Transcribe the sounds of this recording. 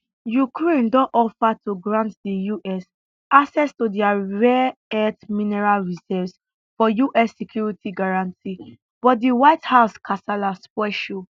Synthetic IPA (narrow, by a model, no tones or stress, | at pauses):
jukɹẽndɔ̃ʔɔfatuɡɹãntdijuʔɛs | asɛstudiaɹɛɛtmĩnɛɹalɹizɛvs | fɔjuʔɛsːɛkʰjuɹitiɡaɹãnti | b̥ɔdiwaɪthaʊskʰasalaspwɛʃo